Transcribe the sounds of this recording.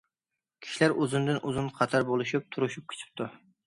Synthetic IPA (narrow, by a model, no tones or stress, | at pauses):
kʲʰi̥ʃilæɾozɨnd̪ɨnʔuzunqʰɑt̪ʰɑɾbolˠɨʃip̚t̪ʰuɾuʃup̚kʲʰe̥t͡ʃ̪ʰi̥p̚t̪ʰu